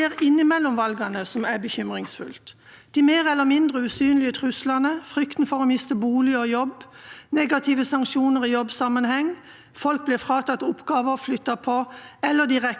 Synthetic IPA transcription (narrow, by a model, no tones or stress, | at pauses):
eːʁɪnːɪmɛlːɔmʋɑlɡɑnəsɔmæbəçʏmʁɪŋsfʉ̰lt̪d̪̥iːmeːʁɛlːəmɪnd̪ʁəʉsyːnlɪət̪ʰʁʉslɑnəfʁʏkt̪n̩fɔʁoːmɪst̪əbuːlɪɔjɔbneːɡɑt̪ʰɪʋəsɑŋkʃuːnəʁijɔbːsɑmənhɛŋː | fɔlk̚blɪfɾɑːt̪ʰɑt̪ːʊpːɡɑːʋəflʏt̪ːɑpʰɔɛlːəd̪ɪʁɛ